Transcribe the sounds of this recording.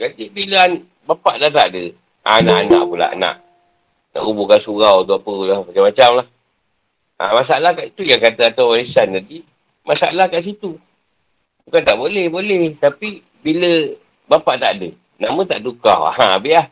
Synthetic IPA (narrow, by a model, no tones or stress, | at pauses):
kat̪ibiləan | bapaʔdat̪aʔdə | a̰naʔana̰ʔpula̰ʔna̰ʔ | na̰ʔubukansuɣawt̪uapəlamat͡ʃamat͡ʃamlah | a̰masaalahkaʔit̪ujaŋkat̪aat̪awwaɾisandadi | masaa̰lahkaʔs̬it̪u | bukant̪aʔbolɛhbolɛht̪api | bilə | bapaʔt̪aʔdə | namə̃t̪aʔduka̰a̰hãbiʔah